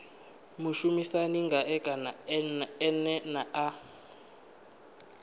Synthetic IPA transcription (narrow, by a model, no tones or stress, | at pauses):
muʃumisaniŋɡʱaʔɛkʼanaɛnɛnaa